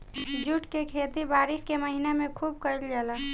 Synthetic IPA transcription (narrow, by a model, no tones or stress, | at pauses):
d͡ʒuʈkekʰeːt̪ibaːɾɪskeməɦinemẽkʰuːb̚kəəld͡ʒaːlaː